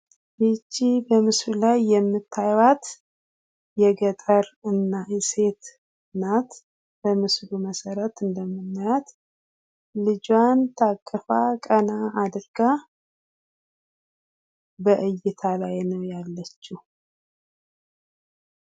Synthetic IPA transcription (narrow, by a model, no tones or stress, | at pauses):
bɨt͡ʃʼːibəmɨsɾulajːɛmːɨt̪ʰːajwat̪ʰ | jɛɡət̪ʼəɾɨnːaɛse̞t̪ʰ | nat̪ | bəmɨsluməsəɾət̪ɨnd̪əmːɨnːajat̪ | lɨd͡ʒwant̪ʰakʼːəfakʼənaːd̪ɨɾɡ̥a | bəʔɨjːɪt̪ʰalajnəwjalːət͡ʃːu